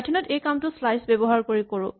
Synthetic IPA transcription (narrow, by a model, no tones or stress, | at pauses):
dʰinɔtejkamtʊslajsbebɔɦaɹkoɹikoɹʊ̰̃